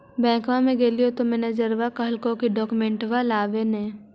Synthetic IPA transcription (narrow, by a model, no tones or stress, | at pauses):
bɛ̃ːkʋãmẽɡeːlijot̪omɛːned͡ʒəɾʋakəɦəlkõkiɖɔːkumẽɳʈʋalaːʋene